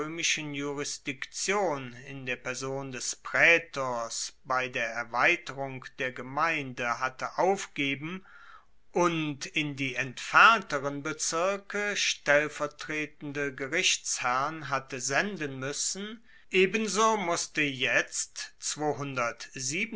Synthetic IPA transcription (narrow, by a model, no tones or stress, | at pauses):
øːmɪʃənjuʁɪsd̥ɪkt͡sjoːnɪndeːɐpɛɐzoːndɛspʁ̥ɛːtʰɔsb̥aɪdeːɐɛɐvaɪtəʁʊŋkd̥eːɐɡəmaɪndəɦatəʔaʊfɡ̥eːbm̩ | ʔʊntɪndiːɛntfɛɐntəʁənbət͡sɪɐkəʃtɛlfɛɐtʁ̥eːtn̩dəɡəʁɪçt͡shæʁnɦatəzɛndənmʏsn̩ | ʔeːbənzoːmʊstəjɛt͡stt͡sv̥oːɦʊndɐtziːb